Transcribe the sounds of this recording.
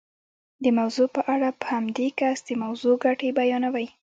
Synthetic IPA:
d̪əmawzopəʔaɽapəhamd̪ekasd̪əmawzoɡaʈebajɑnawaj

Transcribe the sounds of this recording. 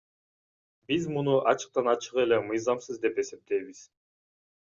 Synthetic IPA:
bizmunuʔɑt͡ʃɯ̥q̚t̪ɑnɑt͡ʃɯʁe̞le̞mɯjzɑmsɯzd̪e̞pe̞se̞p̚t̪e̞jβiz̥

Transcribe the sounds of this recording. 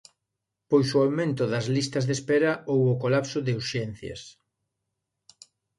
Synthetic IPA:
pojsoawmẽnt̪ʊðɐzlist̪ɐzðespeɾɐʔowʊkolapsʊðɪuɾʃɛn̟θjɐ̰s

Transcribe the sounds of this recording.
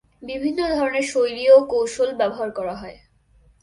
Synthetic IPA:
bibʱinːod̪ʱɔɾoneɾʃojɾiokowʃolbɛboɦaɾkɔɾaɦɔe

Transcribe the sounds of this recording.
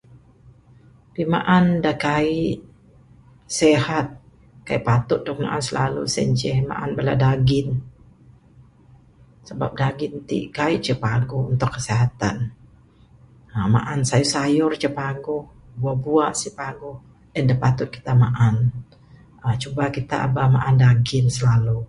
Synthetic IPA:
pima̰ʔandakaiʔʔ | sehat̪̚ | kaiʔpat̪ʊt̪̚dɔk̚ma̰ʔansəlalṵsɛ̰ɲt͡ʃɛhma̰ʔanbəladaɡɪn | səba̰p̚daɡɪnt̪ḭʔkaiʔt͡ʃəpaɡɔunt̪ʊkːəseɦat̪a̰n | əma̰ʔansajusajʊrt͡ʃəpaɡɔh | buabuaʔsipaɡɔh | əndahpat̪ʊt̪̚ki̥t̪amaʔan | ət͡ʃubakit̪a̰ʔa̰bama̰ʔandaɡɪnsəlalu

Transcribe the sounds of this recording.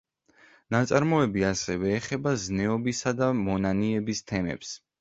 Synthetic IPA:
nat̪sʼaɾmɔɛbiasɛvɛːχɛbaznɛɔbisad̪amɔnaniɛbist̪ʰɛmɛ̰ps

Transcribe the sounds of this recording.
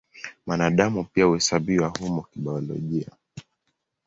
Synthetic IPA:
manaɗamupiauhɛsaɓiwahumɔkiɓaɔlɔ̰ʄia̰

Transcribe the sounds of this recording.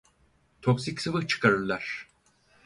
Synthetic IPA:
t̪ʰo̞ksicʲsɯvɯht͡ʃʰɯ̥kʰaɾɯɾlˠaɾ̥

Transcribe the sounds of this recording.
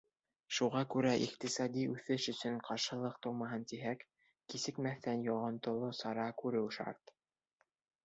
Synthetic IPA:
ʃuʁɑkʉɾæʔiqt̪isɑd̪iʉθɘʃɵ̆sɵɴqʰɑɾʃɤ̆lˠɤqt̪owmɑɦɤnt̪iɦækː | isɘ̆kmæθːænjɑʁɤ̆nt̪ŏlˠosɑɾɑkʉɾɘwʃɑ̰ɾt̪

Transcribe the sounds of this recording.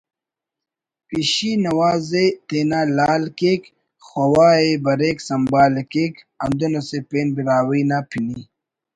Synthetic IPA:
piɕinɐwaːzet̪eːnaːlaːlkeːk | xwɐwaːebɐɾeːksɐmbaːlekeːk | ɐnd̪unɐsepeːnbiɾaːwiːnaːpʰini

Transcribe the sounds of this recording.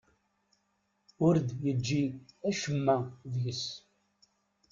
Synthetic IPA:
ʊɾd̪jəd͡ʒːiæʃəmːæðjəs

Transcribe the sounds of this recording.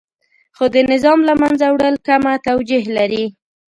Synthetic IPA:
xod̪ənɪzɑmlamanzawɽəlkamat̪awd͡ʒiɦlaɾi

